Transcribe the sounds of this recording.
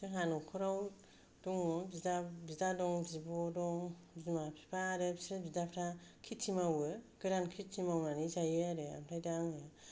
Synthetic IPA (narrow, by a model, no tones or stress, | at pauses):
sɯɦanukʰɔɾaw | dɔŋɔbiabizadɔŋzibɔdɔŋ | zimapʰi̥pʰaɾɯbsɾɯbidapʰɾakʰitʰːimawɯɡ̥ɯɾankʰit̚tʰːimawnanizajɯaɾɯa̰mtʰajdaŋja